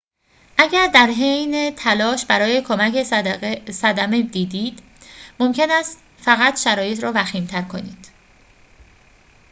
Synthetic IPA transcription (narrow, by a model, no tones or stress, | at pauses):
ʔæɟæɾd̪æɾɦejnet̪ʰælɒːʃbæɾɒːje̞kʰomæcʰe̞sæd̪æmed̪iːd̪iːd̪ | mo̞mcʰe̞næːst̪ | fæɣæt̪ʃæɾɒːje̞t̪ʰɾɒːvæxiːmt̪ʰæɾkʰo̞nḭːd̪̥